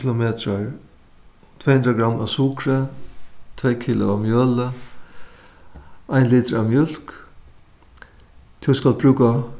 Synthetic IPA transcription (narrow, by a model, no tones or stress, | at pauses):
lʊmeːt̪ɾaɹ | t̪ʰveːhʉnd̪ɾaɡɾamːʔa̰ʋsukɾə | t̪ʰveːkʰiːlʊamjœːlə | aɪnliːt̪əɾamjʏl̥k | t̪ʰɪskal̚bɾʉːka